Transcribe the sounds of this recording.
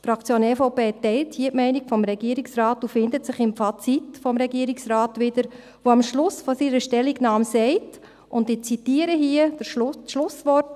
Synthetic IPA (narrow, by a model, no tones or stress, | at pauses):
fɾɑkt͡sjoːnɛfoʊpeːtɛɪlthiːətmɛɪnikfɔmɾɛɡ̥iəɾiksɾɑːtufɪndətsɪχɪmfɑt͡sitfɔmɾɛɡiəɾiksɾaːtʋɪd̥əɾ | ʋoɑmʃlʊsfɔsiɾəʃtɛlːiɡnɑːmsɛɪt | ʊndɪt͡sitiːəɾəɦiəd̥əʃlʊsʋɔt